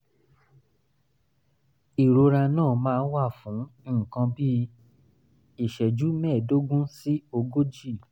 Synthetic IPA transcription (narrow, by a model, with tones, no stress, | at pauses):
i˨ɾo˧ɾa˧nãː˦˨mãː˦˧n̩˦wa˦˨fũ˨˦˨kã˧bi˦ | i˦˨ʃɛ˨d͡ʒu˨˦mɛ̃ː˦˨do˦ɡũ˦si˦o˧ɡo˦d͡ʒi˦˨